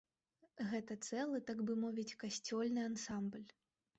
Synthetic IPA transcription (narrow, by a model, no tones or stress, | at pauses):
ɣɛt̪ɐt̪sɛlˠɨt̪aɡbɨmɔvʲit͡sʲkasʲt͡sʲɔlʲnɨansamblʲ